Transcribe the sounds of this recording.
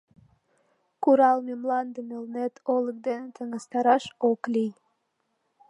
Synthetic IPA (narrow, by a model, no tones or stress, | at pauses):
kuɾɑlˠmemlɑnd̪əmelnet̪ʰolˠə̆k̚d̪enet̪ʰə̆ŋə̆st̪ɑɾɑʃoklʲij